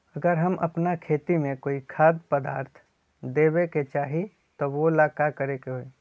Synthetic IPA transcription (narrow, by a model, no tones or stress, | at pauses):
ɐɡəɾɦɐmʔɐ̰pnakʰeːt̪imẽkoːikʰaːd̪pəd̪a̰ːɾt̪ʰ | d̪eːweket͡ʃaːɦi | t̪oʋolaːkakɐɾekeɦoe